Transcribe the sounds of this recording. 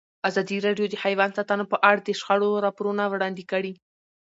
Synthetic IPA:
azɑd̪iɾɑɖjod̪əhajwɑnsɑt̪ɑnopəʔaɽd̪əʃxaɽoɾɑpoɾunawɽɑnd̪ekəɽi

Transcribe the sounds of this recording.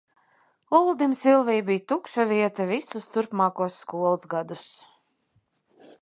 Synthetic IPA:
ulˠd̪imsilˠvijbijt̪ukʃaviɛt̪avisust̪uɾpmɑːkuɔsːkuɔlˠsɡad̪us

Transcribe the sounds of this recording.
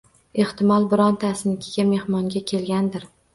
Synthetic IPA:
e̞ht̪ɪmɒlˠbɪɾɒnt̪ʰasɪnɪkʲʰɪɡʲame̞hmɒŋɡʲakʲʰe̞lɡʲand̪ɪɾ

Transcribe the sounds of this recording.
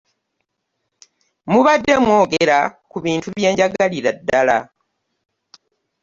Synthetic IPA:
muβadːe̞mwo̞ːɡeɾakuβiːntuβje̞ːɲɟaɡaliɾadːala̰

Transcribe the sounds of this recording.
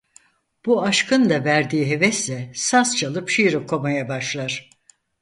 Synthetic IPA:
b̥uaʃkʰɯnd̪avæɾd̪iːɦe̞vɛslʲɛsast͡ʃʰalˠɯpʃijɾɯkʰo̞majabaʃlˠaɾ̥

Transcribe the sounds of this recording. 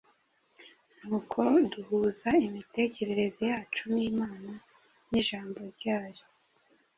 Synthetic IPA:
n̥huːkʰo̞duhuːzaimite̞ce̞ɾe̞ɾe̞zojaːt͡ʃuniːmaːna | niʒaːmbo̞ɾɟaːjo

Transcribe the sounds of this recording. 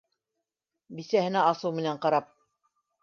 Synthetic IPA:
bisæhɘ̆næɑsɤwmɘ̆næɴqɑɾɑp̚

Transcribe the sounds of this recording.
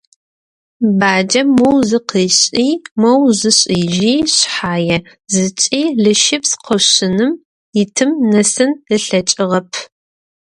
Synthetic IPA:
baːd͡ʒɐmɐwzɨqiːɕʼiːmɐwzɨɕʼiːʒiːɕħaːjɛ | zɨt͡ʃʼiːɮɨʃɪpsqʰəɕɨnɨm | ɪtʰɨmnɐsɨnɨɬɐt͡ʃʼɪʁɐpʰ

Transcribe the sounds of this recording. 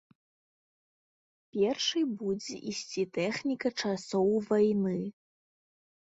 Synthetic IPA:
pʲɛrʂɨjbud͡zʲɛ̰ʔisʲt͡sʲit̪ɛxnʲikɐt͡ʂasɔwvajnɨ

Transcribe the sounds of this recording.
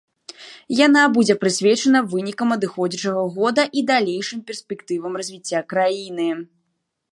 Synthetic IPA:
janabud͡zʲɛpɾɨsʲvʲɛt͡ʂɐnɐvɨnʲikɐmɐd̪ɨxɔd͡zʲɛt͡ʂɐɣɐɣɔd̪ɐʔid̪alʲejʂɨmpʲɛrsʲpʲɛkt̪ɨvɐmrɐzʲvʲit͡sʲːakɾajinɨ

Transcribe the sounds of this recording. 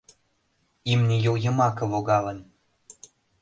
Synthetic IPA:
imnʲejojə̆mɑkɤ̆voɣɑlən

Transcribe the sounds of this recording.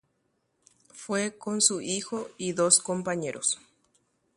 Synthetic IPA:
fwekonsuixoiðoskompaɲeɾʔos

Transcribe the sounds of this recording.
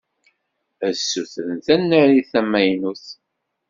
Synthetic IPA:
æsːuθənθænːəɾiθæmːæjnuθ

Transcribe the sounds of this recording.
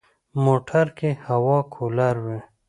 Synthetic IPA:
moːʈʰəɾkehawɑːkʰolaɾwe

